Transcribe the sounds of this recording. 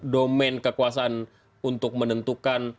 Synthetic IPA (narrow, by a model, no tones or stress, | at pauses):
domɛnkəkuas̬aːn | unt̪ʊk̚mənənt̪ukan